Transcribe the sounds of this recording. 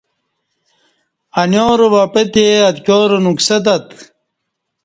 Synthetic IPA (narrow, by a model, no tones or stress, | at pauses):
ɐnjoːɾʋɐpet̪eɐt̪kʲoːɾonuksɐd̪ɐt̪